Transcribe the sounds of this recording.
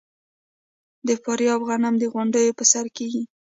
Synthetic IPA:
d̪əfɑɾjɑfɣanamd̪əɣʊɳɖəjopəsaɾkeɡi

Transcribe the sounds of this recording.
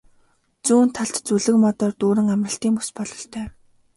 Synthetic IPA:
t͡suːn̥t̪ʰːaɮt̪t͡suɮɘ̆kmɔt̪ɔːrt̪uːɾɘ̆ŋamrə̆ɬt̪iːŋpuspɔɮɞ̆ɬt̪ʰœː

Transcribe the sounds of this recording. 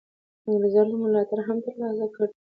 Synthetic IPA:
ləzɑɾləmʊlɑt̪aɾɦamt̪əɾlɑsakəɽ

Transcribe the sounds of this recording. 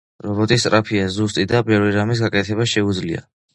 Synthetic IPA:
ɾɔbɔt̪ʼist̪ʼɾapʰiazust̪ʼid̪abɛvɾiɾamis̬ɡakʼɛt̪ʰɛbaʃɛud̪zlia̰

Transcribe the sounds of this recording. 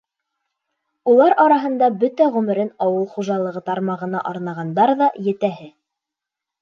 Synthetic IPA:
ulˠɑɾɑɾɑɦɤ̆nd̪ɑbɵt̪æʁʉmɘ̆ɾɘnɑwɤlˠχuʒɑlˠɤ̆ʁɤt̪ɑɾmɑʁɤ̆nɑʔɑɾnɑʁɑnd̪ɑɾðɑjɘ̆t̪æɦɘ

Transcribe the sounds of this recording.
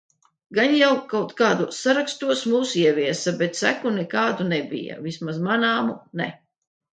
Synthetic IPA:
ɡanjawkawt̪kaːd̪usaɾakst̪uɔsmuːsiɛviɛsabɛt̪sæ̰kunɛkaːd̪unɛbḭja̰vismazmanaːmunɛ

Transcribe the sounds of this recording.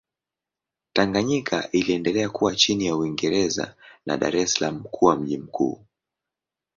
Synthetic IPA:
taŋɡaɲikʰa̰ʔiliɛndɛlɛakuwat͡ʃinijauiŋɡɛɾɛza̰na̰ɗa̰ɾɛsalamukʰuwam̩ʄim̩kṵː

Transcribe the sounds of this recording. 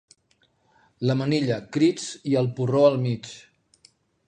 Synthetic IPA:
ləməniʎəkɾit͡siəlˠpuroəlˠmit͡ʃ

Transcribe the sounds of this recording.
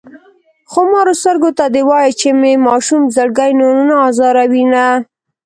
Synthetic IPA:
xomɑɾost̪əɾɡot̪ad̪ewɑjet͡ʃememɑʃumzəɽɡajnonunaɑzɑɾawina

